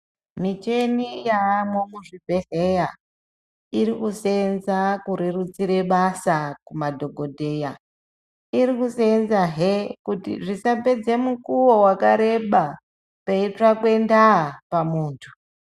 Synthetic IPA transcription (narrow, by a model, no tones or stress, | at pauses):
mit͡ʃe̞nijaːmwomuʐibʱe̞ɦeja | iɾikusenzakuɾerut͡siɾe̞ɓasakumadʱo̞ɡʱo̞dʱeja | iɾikusenzaɦekutḭʐisape̞d͡zemukuwo̞wakaɾe̞ɓa | paiʈ͡ʂakwe̞ndapamuːntʰu̥